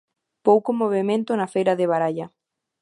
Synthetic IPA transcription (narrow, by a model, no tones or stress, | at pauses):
powkomoβemẽnt̪ʊnafejɾɐðɪβaɾaʎɐ